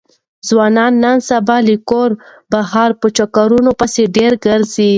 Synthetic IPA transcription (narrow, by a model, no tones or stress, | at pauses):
zwɑnɑnːansabɑlikoɾbaɦɑɾpət͡ʃakaɾunopəseɖeɾɡəɾzi